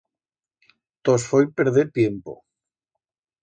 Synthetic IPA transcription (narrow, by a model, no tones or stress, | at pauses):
t̪osfojpeɾðet̪jempo̰